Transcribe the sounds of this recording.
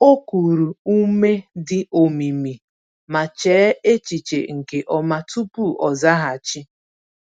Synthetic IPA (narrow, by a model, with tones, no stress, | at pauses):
o˦ku˨ɾu˨u˦me˦dɪ˨o˨mi˨mi˨ | ma˨t͡ʃeː˨˦e˦t͡ʃi˨t͡ʃe˨ŋ̩˨ke˨ʔɔ˦ma˦tu˦pu˦˨ʔɔ˨za˦ɦa˨t͡ʃi˦